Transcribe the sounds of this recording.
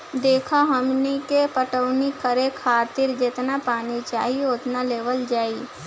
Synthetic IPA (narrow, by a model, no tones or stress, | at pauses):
d̪eːkʰaɦəmnikepəʈəʊnikəɾekʰaːt̪ɪɾd͡ʒɪt̪napaːnit͡ʃa̰ːɦiot̪naleːʋəld͡ʒaːiː